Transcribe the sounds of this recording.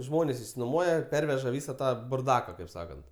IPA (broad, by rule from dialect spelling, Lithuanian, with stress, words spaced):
ˈʒmoːnʲeːs ɪʃʲsʲɪnoːˈmuɔjɛ ˈpʲɛrʲʋʲɛʒɐ ˈʋʲiːsɐ ˈtɑː bʊrˈdɑːkɐ kɐɪp ˈsɑːkɐnt